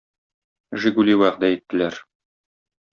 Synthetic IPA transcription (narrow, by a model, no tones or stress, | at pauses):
ʒĭɡuliwæʁd̪æit̪ːɘ̆læɾ